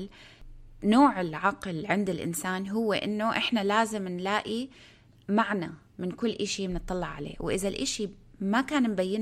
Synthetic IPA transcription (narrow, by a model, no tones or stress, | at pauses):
l | noːʕɪlʕɑqlʕɪnd̪ɪlʔɪ̰nsaːnɦʊwːeʔɪ̰nːʊʔɪħnalaːzɪmnlaːʔi | maʕna | mɪnkʊlːʔaʃimnɨt̪ˤːɑlːɑʕʕalḛːwʔɪðalʔaʃimakaːnmbajːɪn